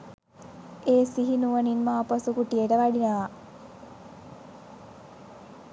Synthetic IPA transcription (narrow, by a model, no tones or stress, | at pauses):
eːsiɦinuʋəninmaːpəsukuʈijeʈəʋæɖinəʋa